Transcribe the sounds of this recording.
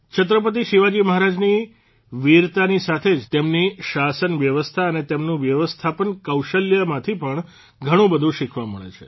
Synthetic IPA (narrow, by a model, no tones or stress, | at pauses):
t͡ʃʰət̪ɾəpət̪iʃiʋad͡ʒiməɦaɾad͡ʒni | ʋiɾt̪anisat̪ʰed͡ʒt̪emniʃasənʋjəʋəst̪ʰaənet̪emnũʋjəʋəst̪ʰapənkəwʃəljəmãt̪ʰipəɳ | ɡʱəɽ̃ũbəd̪ʱũʃikʰʋaməɭḛt͡ʃʰe̥̰